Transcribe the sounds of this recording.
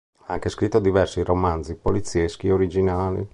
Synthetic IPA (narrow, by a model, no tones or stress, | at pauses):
aŋk̟eskɾit̪ːod̪ivɛrsiromanzipolit̪sjɛskiɛoɾid͡ʒinaːlḭ